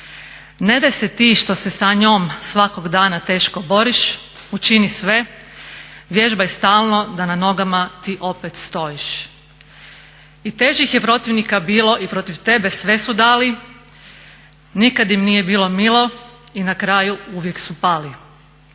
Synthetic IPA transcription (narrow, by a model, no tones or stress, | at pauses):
ne̞d̪ajse̞t̪iːʃt̪o̞se̞saɲoːmsʋakoɡd̪aːnat̪e̞ːʃko̞bo̞ɾiʃut͡ʃinisʋe̞ | ʋje̞ʒbajest̪aːlˠno̞d̪anano̞ɡamat̪iːʔo̞pet̪st̪o̞jiʃ | it̪e̞ːʒixjepɾo̞t̪iʋnikabiːlo̞ʔipɾo̞t̪iʋt̪e̞be̞sʋe̞sud̪aːli | nikad̪jimnije̞biːlˠo̞milo̞inakɾaːjuuʋje̞ksupaːli